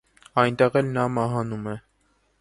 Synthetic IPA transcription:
ɑjnt̪ɛʁɛlnɑmɑɦɑnumɛ

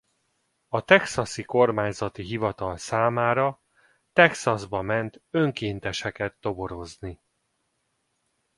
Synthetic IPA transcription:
ɒt̪ɛksɒsiko̞rmaːɲzɒt̪iɦivɒt̪ɒlsaːmaːɾɒ | t̪ɛksɒzbɒmɛnt̪øŋkeːnt̪ɛʃɛkɛt̪ːo̞bo̞ɾo̞zni

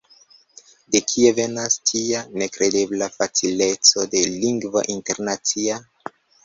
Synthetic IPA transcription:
de̞kʰie̞ve̞nastʰiane̞kɾe̞de̞blafat͡sile̞t͡so̞de̞liŋɡva̰ʔinte̞ɾnat͡sia

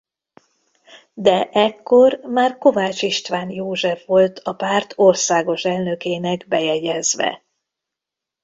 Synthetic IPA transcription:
d̪ɛʔɛkːo̞rmaːrko̞vaːt͡ʃiʃt̪ʋaːnjoːʒɛfʋo̞lt̪ʰɒpaːrt̪ʰo̞rsaːɡo̞ʃɛlnø̞keːnɛɡbɛjɛɟɛzʋɛ̰

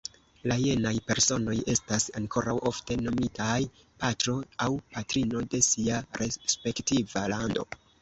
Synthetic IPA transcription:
laje̞najpe̞ɾso̞no̞je̞stasaŋkʰo̞ɾawʔo̞fte̞no̞mitaj | patɾo̞awpatɾino̞de̞siaɾespe̞ktivalando̞̰

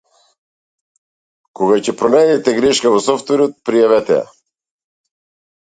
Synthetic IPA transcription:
koɡacɛpɾonɛd̪ɛt̪ɛɡɾiʃkavosɔft̪vɛɾot̪̚pɾijavɛt̪ɛ̰ja̰

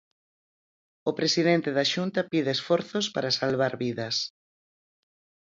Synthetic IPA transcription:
ʊpɾesiðent̪eðaʃunt̪ɐpiðeːsfɔɾθospaɾasalβ̞aɾβiðɐs

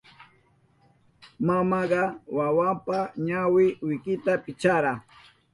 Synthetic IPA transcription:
mamɑɢɑwawampaɲawɪwɪkɪt̪apɪt͡ʃaɾa

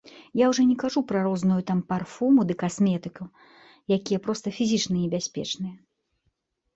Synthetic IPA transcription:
jawʐɔnʲɛkaʐupɾɐɾɔznujut̪amparfumud̪ɨkasmʲɛt̪ɨku | jakʲijɐpɾɔst̪ɐfʲizʲit͡ʂnɐnʲɛbʲasʲpʲɛ̰t͡ʂnɨjɛ

